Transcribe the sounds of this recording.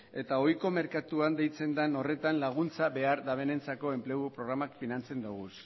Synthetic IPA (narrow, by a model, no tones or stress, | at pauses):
e̞t̪ao̞jko̞me̞ɾkat̪uand̪e̞jt͡se̞nd̪ano̞re̞t̪anlaɣ̞unt͡saβe̞aɾðaβe̞ne̞nt͡sako̞e̞mple̞ɣupɾo̞ɣ̞ɾamakfinant͡se̞nd̪uɣ̞us